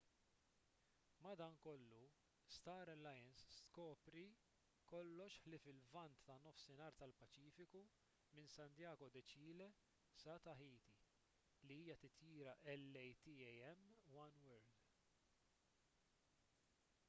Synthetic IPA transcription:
mɐd̪ɐːŋkɔlːu | st̪ɐːɾɐlɐjɐnst̪kɔːpɾi | kɔlːɔʃħlɪfɪlvɐnt̪ːɐnɔfsɪnɐːɾt̪ɐlpɐt͡ʃiːfɪku | mɪnsɐnt̪jɐːɡɔd̪ɛt͡ʃiːlɛ | sɐt̪ɐħiːt̪i | liiːjɐt̪ɪt̪jiːɾɐʔɛlːɛjt̪ɪːjɛjɛmːwɐnwɛɾd̪

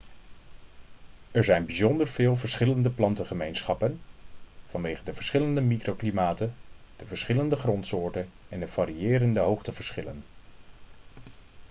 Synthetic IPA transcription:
ɛɹzɛjnbizɔndəɹv̥ɪːlˠvəɹsχɪləndəplɑntəχəmejnsχɑpən | v̥ɑnʋejχədəvəɹsχɪləndəmikrowklimaːtən | d̥əvəɹsχɪləndəχrɔntsʊːɹtən | ɛndəv̥aːɾiɪːɾəndəɦowχtəv̥əɹsχɪlən

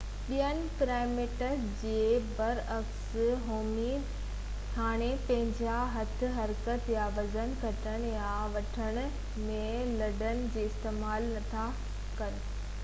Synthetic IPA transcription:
ɓijənɪ̆pɪɾaːɪmeʈəɾ | d͡ʑeːbɐɾɐksɦoːmi | haːɽ̃epɐ̃ɦɪ̃ɲd͡ʑaɦɐt̪ʰɪ̆ɦɐɾkət̪jaʋɐzənkɐʈʰəɽ̃ja | ʋɐʈʰəɽ̃ʊ̆ | mẽ | lɐɖənɪ̆d͡ʑeːɪst̪eːmaːlnɐt̪ʰa | kɐɾ

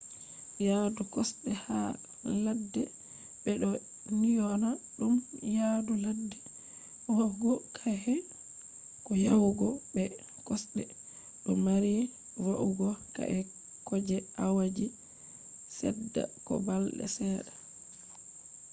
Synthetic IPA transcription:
jadukɔsɗɛha | ladːɛ | ɓɛɗɔ | nijɔnaɗumjaduladːɛ | waɡɔkʰahɛ | kɔjawɡɔbɛ | kɔsɗɛ | ɗɔmaɾi | waʔuɡɔka̰ʔɛ | kɔd͡ʒɛawad͡ʒi | sɛ̰dːa̰kɔ̰balɗɛ̰sɛːɗa

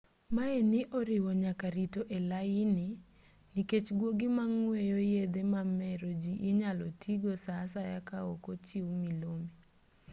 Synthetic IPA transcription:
maenɪʔoɾɪwɔɲakaɾitoʔelaɪnɪ | niket͡ʃɡwoɡimaŋwejojed̪emamɛɾod͡ʒiʔːɲalotʰiɡosasajakao̰kot͡ʃiwmilome

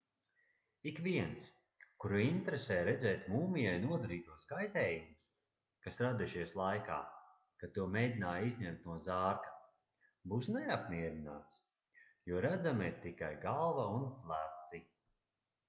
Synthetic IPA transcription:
ikviɛns | kuɾuint̪ɾɛsɛːjɾɛd̪zɛːt̪muːmijajnuɔd̪aɾiːt̪uɔskajt̪ɛːjumus | kasɾad̪uʃiɛslˠajka̰ː | kat̪ːuɔmeːjd̪ʲinaːjizʲɲɛmt̪̚nuɔzaːɾkḁ | buːsnɛapniɛɾina̰ːt̪s | juɔɾad̪zamt̪ikajɡalˠvaunplˠæp̚t̪si

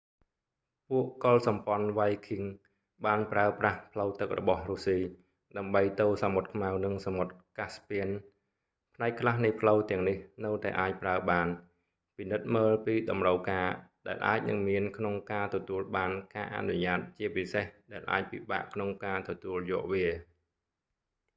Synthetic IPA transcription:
puəʔkolsɑmpŏənʋajkʰiŋ | ɓaːnpraəprahpʰləwt̪ɨk̚rɔ̰ɓɑhrusiː | ɗaəmɓəjt̪oːsamot̪̚kʰmawnɨŋsamot̪̚kaspiən | pʰnaɛk̚ʰːlahnɨjpʰləwt̪ɛ̆əŋnihnɨwt̪aɛʔaːc̚praəɓaːn | pinɨt̪̚məːlpiːɗɑmrəwkaːɗaɛlʔa̰ːc̚nɨŋmiənkʰnoŋkaːt̪ɔt̪uəlɓaːnkaːʔa̰ʔnuɲaːt̪̚t͡ɕiəpisehɗaɛlʔa̰ːc̚piɓa̰ʔkʰnoŋkaːt̪ɔt̪uəljɔːʔʋiə

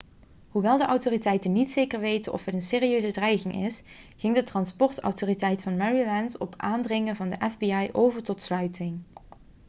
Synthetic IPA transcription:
ɦuʋɛlˠdəʔɑwtoːritɛjtənitsejkəɹʋejtənʔɔ̰fɦɛtənseːriøɥzədrɛjχɪŋɪ̰s | χɪŋdətrɑnspɔɹtɑ̰wtoːritɛjtfɑnmɛɹilɛntɔpʔaːndrɪŋənvɑndəʔɛvbiɑjʔowvəɹtɔtslœɥtɪŋ

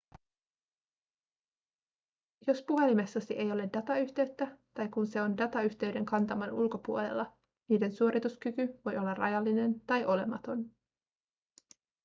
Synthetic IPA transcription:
jo̞spuɦe̞limesːɑsiʔe̞jo̞le̞dɑt̪ɑyçt̪e̞ɥt̪ːæt̪ɑjkunse̞o̞ndɑt̪ɑyçt̪e̞ɥde̞ŋkɑnt̪ɑmɑnulko̞puolḛlːɑ | niːde̞nsuo̞ɾit̪uskykyʋo̞jo̞lːɑrɑ̰jɑlːine̞nt̪ɑjʔo̞le̞̰mɑt̪o̞n

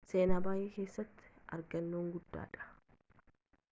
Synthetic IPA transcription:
se̞ːnaːbaːjɛkeːsːɐt̪ːɪ̥ɐɾɡɐnːoːŋɡʊd̪ːa̰ːᶑɐ̥

